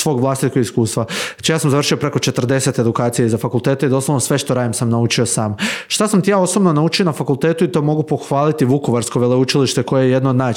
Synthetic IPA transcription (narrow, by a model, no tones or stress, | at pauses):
sʋo̞ːɡʋlˠast̪it̪̚ko̞ɡiskuːst̪ʋat͡ʃijaːsamzaʋr̩ʃio̞pɾe̞ko̞t͡ʃe̞t̪r̩d̪e̞se̞t̪e̞d̪ukaːt̪sijeizafakulˠt̪e̞ːt̪eid̪o̞slˠoʋnosʋe̞ʃt̪oɾaːjimsamnaut͡ʃio̞saːmʃt̪asamt̪ijaːo̞sobno̞naut͡ʃijonafakulˠt̪e̞ːt̪uit̪o̞mo̞ɡupo̞xʋaːlit̪iʋuko̞ʋaɾsko̞ʋeleut͡ʃiliʃt̪e̞ko̞jejeje̞d̪noːd̪naː